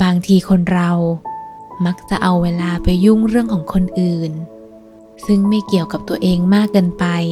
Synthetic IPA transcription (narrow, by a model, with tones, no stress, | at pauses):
baː˧ŋt̪ʰiː˧kʰo˧nɾa˧w | ma˦˥k̚t͡ɕa˨˩ʔa˧wːeː˧laː˧pa˧jːu˥˩ŋɾɯ˥˩əŋkʰɔː˩˦ŋkʰo˧nʔɯː˨˩n | sɯ˥˩ŋma˥˩jki˨˩əwka˨˩p̚t̪u˧ɐʔeː˧ŋmaː˥˩kːa˧npa˧j